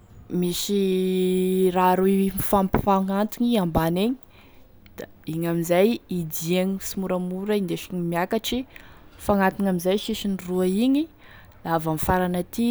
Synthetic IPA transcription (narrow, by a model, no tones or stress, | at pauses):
misi | raɾuimifampi̥faŋant̪iɲiambaneɲi̥ | d̪̥a | iɲamizajid̪iaɲisimuɾamuɾaind̪eʃi̥ɲimiakaʈ͡ʂifaŋat̪inamizajʃiʃiniruaiɲi | lavamifaɾanat̪i